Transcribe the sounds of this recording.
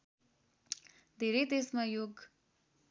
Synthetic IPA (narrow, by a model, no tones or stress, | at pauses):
d̪ʱeɾejd̪esmajoɡ